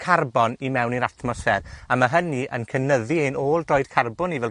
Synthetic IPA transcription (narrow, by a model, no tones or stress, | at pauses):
kʰarbɔnimɛwniɾatmɔsfɛraməɦəniʔə̰nkʰənəðiejnoːlˠdrɔɨd̥̚kʰarbʊnivɛl